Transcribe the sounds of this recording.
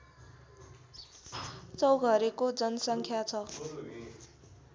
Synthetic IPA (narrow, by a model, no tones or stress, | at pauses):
t͡sʌwɡʱʌɾekod͡zʌnʌsʌŋkʰjat͡sʰʌ